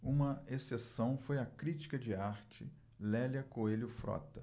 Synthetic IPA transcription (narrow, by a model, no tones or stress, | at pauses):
ũmɐesesɐ̃w̃fojɐkɾit͡ʃi̥kɐd͡ʒɪaɾt͡ʃɪ̰ | lɛljɐkoelʊfɾɔ̰t̪ɐ